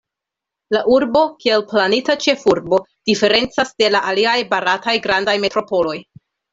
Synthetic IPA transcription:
laʔuɾbo̞kie̞lplanitat͡ʃe̞fuɾbo̞ | d̥ife̞ɾe̞nt͡sasde̞laʔaliajbaɾatajɡɾandajme̞tɾo̞po̞lo̞j

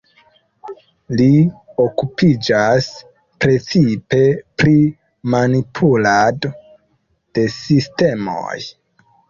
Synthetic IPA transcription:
lio̞kupid͡ʒas | pɾe̞t͡sipe̞pɾi | manipʰulado | d̥e̞siste̞mo̰j

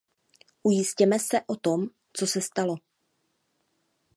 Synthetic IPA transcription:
ʔujɪscɛmɛsɛʔot̪o̞m | t͡sosɛst̪alo̞

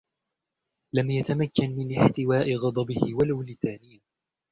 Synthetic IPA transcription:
lamjat̪amakːanmɪnʔɪħt̪ɪwaːʔɪɣɑd̪ˤɑbɪhɪwalawlɪt̪aːnɪjː

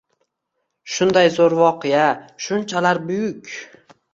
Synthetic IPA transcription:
ʃʊnd̪ajzoɾvɒqʰɨjaʃʊnt͡ʃʰalaɾbʊjʊkʲ

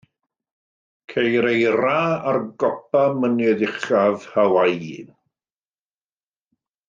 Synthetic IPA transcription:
kʰejɾejɾaarɡɔp̚amənɛdɪχav̥hawajin

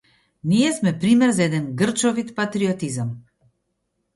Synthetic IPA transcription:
nijɛsmɛpɾimɛɾzaɛd̪ɛnɡr̩t͡ʃɔvit̪pat̪ɾiɔt̪izam

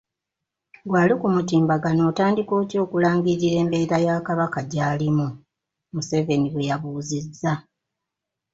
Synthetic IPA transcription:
ɡwaːlikumutiːmbaɡano̞ːtaːndiko̞ːtjo̞ːkulaːŋɡiɾiɾe̞ːmbe̞ɾajakaβakaɟaːlimu | muse̞ve̞niβwe̞jaβuːzizːa

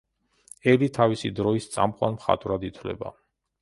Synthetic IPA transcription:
ɛlit̪ʰavisid̪ɾɔist̪sʼa̰mqʼwa̰nmχa̰t̪ʼvɾad̪it̪ʰvlɛ̰ba̰

